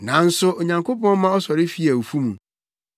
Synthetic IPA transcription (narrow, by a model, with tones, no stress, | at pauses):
nã˨n̩˦sʊ˦ʔɔ˨ɲã˨ŋkʰo˦pɔ̃˦n˦mã˦ɔ˦sɔ˨ɾɪ˦fi˦æ˨o˨fu˦mũ˨